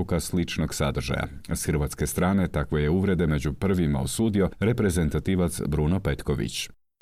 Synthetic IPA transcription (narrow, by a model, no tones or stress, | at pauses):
ukaslit͡ʃnoɡsad̪r̩ʒa̰ja̰sxərʋat̪ske̞st̪ɾaːne̞t̪akʋo̞je̞uʋɾe̞d̪e̞me̞d͡ʑupr̩ʋima̰osuːd̪io̞ɾe̞pɾe̞ze̞nt̪at̪iːʋat̪sbɾunope̞t̪koʋḭt͡ɕ